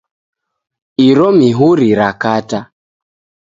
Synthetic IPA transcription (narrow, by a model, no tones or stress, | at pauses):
iɾɔmiɦuɾiɾakata